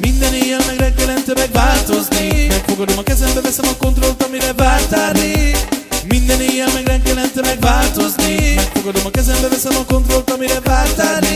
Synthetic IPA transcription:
mind̪ɛneːjːɛlmɛɡɾɛŋkɛlɛnt̪ɛmɛɡvaːlt̪o̞znimɛkfo̞ɡɒd̪o̞mɒkɛzɛmbɛvɛsɛmɒko̞nt̪ro̞lt̪ɒmiɾɛvaːlt̪aːni | mind̪ɛneːjːɛlmɛɡɾɛŋkɛlɛnt̪ɛmɛɡvaːlt̪o̞znimɛkfo̞ɡɒd̪o̞mɒkɛzɛmbɛvɛsɛmɒko̞nt̪ro̞lt̪ɒmiɾɛvaːlt̪aːni

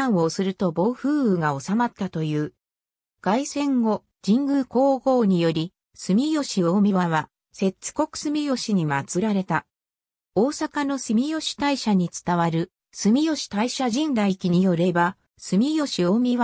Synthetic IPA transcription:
ãɰ̃o̞sɨɾɯ̟t̪o̞bo̞ɸɯ̟ːɯɡao̞samat̪ːat̪o̞jɯː | ɡ̥aisẽ̞ŋɡo̞ | d͡ʑĩŋɡɯ̟ko̞ːɡo̞ːɲ̟ijo̞ɾʲi | sɨmʲijo̞ɕio̞mʲiβaβa | se̞t͡sɨ̥ko̞kɯ̟̥sɨmʲijo̞ɕiɲ̟imat͡sɨɾaɾe̞t̪a | o̞ːsakano̞sɨmʲijo̞ɕi̥t̪aiɕaɲ̟it͡sɨ̥t̪aβaɾɯ̟ | sɨmʲijo̞ɕi̥t̪aiɕaʑĩnd̪aikʲiɲ̟ijo̞ɾe̞ba | sɨmʲijo̞ɕio̞mʲiβa

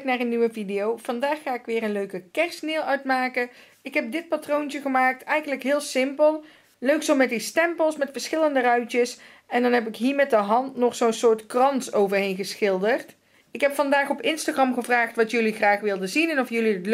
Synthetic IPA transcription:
knaːrənːyʋəvidejowv̥ɑndaːχːaːɪkʋɪːrənløɥkəkɛɹsnɪːlˠœɥtmaːkə | ɪkɦɛp̚dɪt̚patrowntəχəmaːk̚tɛjɣənləkɦɪːlˠsɪmpəlˠ | løɥksowmɛt̚distɛmpəlˠsmɛtfəɹsχɪləndərœɥtəs | ɛndɑnɦɛp̬ɪkɦiːɹmɛt̚dəɦɑntnɔχsownsʊːɹtkrɑnsowvəɹɦejnɣəsxɪlˠdərt | ɪkɦɛpfɑndaːχɔpɪnstaːχrɑmχəvraːχtʋɑtjɵliχraːχʋɪlˠdəzinɛnɔfjɵlidətl

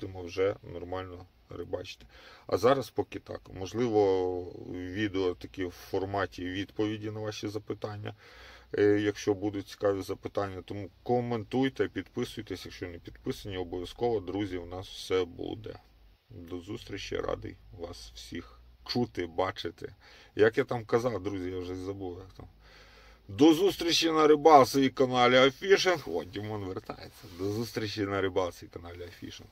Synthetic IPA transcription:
d̪ɪmɔwʒɛnɔrmɑlʲnɔ | ɾɪbɑt͡ʃɪ̥t̪ɪ̥ɐ̰zɑɾɐspɔkɪt̪ɑ̰kmɔʒlˠɪʋɔ | ʋʲid̪eɔt̪ɐkʲɪwfɔrmɑtʲiʋʲid̪pɔʋʲidʲinɐʋɑʃʲizɐpɪt̪ɑnʲːɐ̰ | jɐkʃt͡ʃɔbud̪ʊt͡sʲi̥kɑʋɛzɐpɪt̪ɑnʲːɐt̪ɔmukɔment̪ujt̪ɛpʲid̪pɪsʊjt̪ɛsʲjɐkʃt͡ʃɔnepʲid̪pɪsɐnʲiɔbɔʋʲjɐskɔʋɔd̪ɾuzʲiwnɑswsɛbṵd̪ɛ̰ | d̪ɔzust̪ɾʲit͡ʃɐ̰ɾɑ̰d̪ɪ̰ʋɑ̰sw̥sʲixt͡ʃut̪ɪbɑt͡ʃɪt̪ɛ̰ | jɐkjat̪ɑmkɐzɑwd̪ɾuzʲijawʒɛzɐbuʋjɐkt̪ɑm | d̪ɔzust̪ɾʲit͡ʃːɐnɐɾɪbɑlˠsɐjikɐnɑlʲɪɐfʲiʃenxɔdʲimɔnʋert̪ɑ̰jet͡sʲːɐd̪ɔzust̪ɾʲit͡ʃɐnɐɾɪbɑlˠsɐjikɐnɑlʲɪɐfʲḭʃḛn

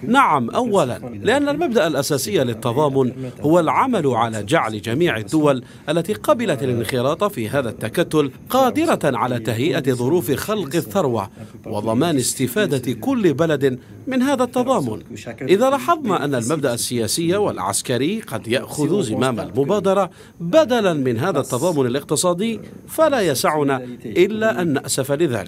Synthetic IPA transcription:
naʕamʔawːala̰nlɪʔanːalmabd̪aʔalʔasaːsɪjːalɪt̪ːɑðˤɑːmʊnhʊwalʕamalʊʕalaːd͡ʒaʕlɪd͡ʒamiːʕɪd̪ːʊwal | ʔalːat̪iːqɑbɪlat̪alɪnxɪlɑːt̪ˤfiːɦaːðat̪ːakat̪ːʊlqɑːd̪ɪɾˤaʕalaːt̪aɦjɪʔaðˤʊɾuːfxɑlqɪθːɑɾˤwa̰wɑðˤɑmaːnɪst̪ɪfaːd̪akʊlːɪbalad̪ | mɪnɦaːðat̪ːɑðˤɑːmʊnʔɪðaːlɑħɑðˤnɑʔanːalmab̚d̪aʔasːɪjaːsɪjːawalʕa̰skaɾɪjːqɑd̪jaʔxʊðzɪmaːma̰lmʊbaːd̪ɑɾˤɑ | bad̪alanmɪnɦaːðat̪ːɑðˤɑːmʊnalɪq̚t̪ɨsˤɑːd̪ɪjːfalaːjasaʕʊnaʔɪlːaːʔanːaʔsafalɪða̰ːlɪk

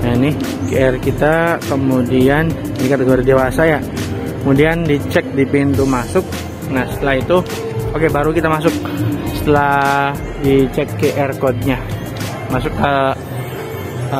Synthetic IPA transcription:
anɪh | keɛrkit̪akəmudian | dikat̪eɡoɾidewasaja | kəmudiandit͡ʃɛk̚dipint̪umasʊk̚ | nahsə̥t̪əlait̪u | okebaɾukit̪amasʊk̚sə̥t̪əlah | dit͡ʃɛkːeʔɛrkɔd̪̚ɲa | masʊkːə

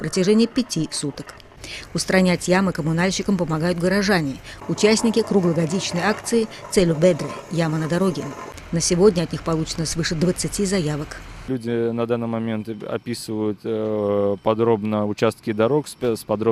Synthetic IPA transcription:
pɾətʲɪʐɛnʲɪjəpʲɪtʲisut̪ək | ʊst̪ɾɐnʲætʲjaməkəmʊnalʲɕːɪkəmpəmɐɡajʊt̪ɡəɾɐʐanʲɪʊt͡ɕæsʲnʲɪkʲɪkɾuɡlˠəɡɐdʲit͡ɕnəjakt̪sɨɪ | t̪sɛlʲʊbɛd̪ɾɨjamənəd̪ɐɾo̞ɡʲɪ | nəsʲɪvo̞dʲnʲəɐt̪̚ʲnʲixpɐlˠut͡ɕɪ̥nəsvɨʂɨd̪vət̪sɨtʲizɐjavək | lʲudʲɪnɐd̪anːɨmɐmʲe̞nt̪ɐ̰pʲisɨvəjʊt̪ | pɐd̪ɾobnəʊt͡ɕast̪̚kʲɪd̪ɐɾoksspɐd̪ɾo

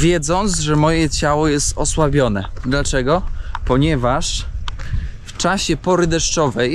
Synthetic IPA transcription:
vʲjɛd̪zɔnt̪zʐɛmɔjɛt͡ɕawɔjɛst̪ɔswabʲjɔnɛ̰d̪lat͡ʂɛɡɔpɔɲɛvaʂ | ft͡ʂaɕɛpɔɾɘd̪ɛʂt͡ʂɔvɛj

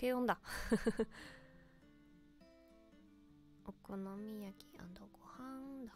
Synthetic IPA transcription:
kejõnd̪a | okonomʲijakʲi̥a̰nd̪oɡohãŋd̪a

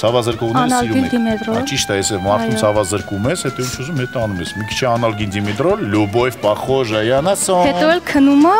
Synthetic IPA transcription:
t͡sʰɑvɑzəɾkɔʁunnlɾuid̪imɛt̪ɾɔt͡ʃiʃt̪ɑjɛsɛmɑɾʰumt͡sʰɑvɑzəɾkumɛshɛt̪ɔint͡ʃʰuzumhɛt̪ɑnumɛsmikʰi̥t͡ʃʰɛɑnɑlɡind̪imɛd̪ɾɔlːubɔjvpɑχɔʒɑjɑnɑsɔhɛt̪ɔɛlkʰənuma

